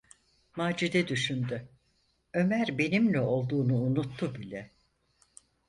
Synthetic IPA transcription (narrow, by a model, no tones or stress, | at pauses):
maːd͡ʒid̪ɛd̪yʃynd̪y | ø̞mæɾbe̞nimlʲɛo̞lˠd̪uːnuːnut̪ʰːubilʲɛ